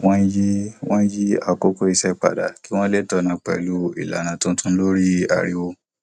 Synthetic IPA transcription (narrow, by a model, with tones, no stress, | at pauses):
w̃ɔ̃˦ji˦w̃ɔ̃˦ji˦a˨ko˦ko˦i˧sɛ˦˨k͡pa̰˨da˨ki˦w̃ɔ̃˦le˦tɔ˧˨nã˨˧k͡pɛ̰˨lu˦ḭ˦˨la̰˨nã˨tũ˦tũ˦n̩˦lo˦ɾi˦a̰˨ɾi˦wo˦